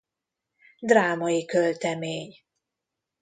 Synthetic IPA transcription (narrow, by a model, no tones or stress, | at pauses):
d̪raːmɒjikølt̪ɛmeːɲ